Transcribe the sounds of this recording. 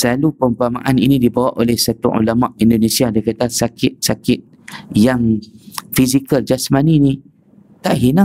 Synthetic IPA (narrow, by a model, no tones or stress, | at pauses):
səlalupəmpama̰ʔaninĩdibawaʔolɛhsat̪ṵṵlama̰ʔindonesiadakat̪asakɪt̪̚sakɪt̪̚ | jaŋfizikəld͡ʒasmaninĩ | t̪aʔɦina